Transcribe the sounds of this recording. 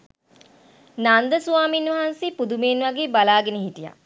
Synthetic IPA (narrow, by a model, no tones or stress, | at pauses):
nand̪əsuʋaːminʋɐɦanseːpud̪umeːnʋaɡeːbalaːɡenəɦitija̰